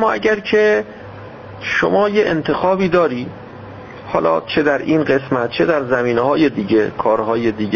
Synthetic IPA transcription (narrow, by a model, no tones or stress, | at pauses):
mːɒːæ̰ɟæɾcʰe̞ | ʃomɒːjeʔent̪ʰe̞xɒːbiːd̪ɒːɾiː | hɒːlɒ̰ːt͡ʃʰe̞d̪æɾʔiːnɢe̞smæt̪̚t͡ʃʰe̞d̪æɾzæmiːnehɒːjed̪iːɟekʰɒːɾɦɒːjed̪iːɡ